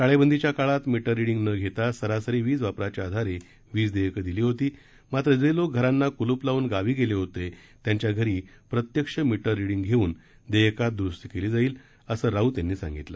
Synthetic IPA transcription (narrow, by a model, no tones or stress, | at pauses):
saɭebənd̪ʱit͡ɕjakaɭat̪miʈəɾːiɽiŋɡnəɡʱet̪asəɾasəɾiʋiːd͡zʋapɾat͡ɕaad̪ʱaɾe | ʋiːd͡zd̪ejkəd̪iliːɦot̪iː | mat̪ɾəd͡zəilok̚ɡʱəɾanːakuluplauːnɡaʋiːɡeleɦot̪et̪jaɲt͡ɕjaɡʱəɾiːpɾət̪jəkʂəmiʈəɾːiɽiŋɡɡʱeuːn | d̪ejkat̪̚d̪ɾust̪ikeliːd͡zaiːl | əsəːɾaut̪janːiːsã̰ŋɡit̪lə